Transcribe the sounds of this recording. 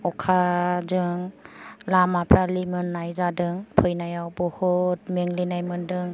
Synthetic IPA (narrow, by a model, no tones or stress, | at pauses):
ɔkʰazɯŋlamapʰɾalimɯnːajzadɯŋpʰɯjnajawbɔhɔt̚meŋlinajmɯndɯŋ